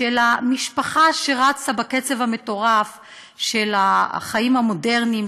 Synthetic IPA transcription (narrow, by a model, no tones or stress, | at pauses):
elamiʃpaχaʃe̞ʁat͡sabaket͡sevhame̞to̞ʁaf | ʃe̞laχaimhamo̞de̞ʁnim